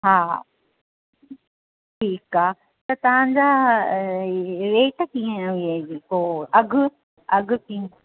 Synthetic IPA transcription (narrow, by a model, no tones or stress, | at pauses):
ɦaː | ʈʰiːkaːɦ | t̪ɐt̪ɐʋ̤ãɲd͡ʑaː | ɾeːʈkĩːẽɦʊiad͡ʑekoɐɡʱʊ | ɐɡʱʊ̆kĩ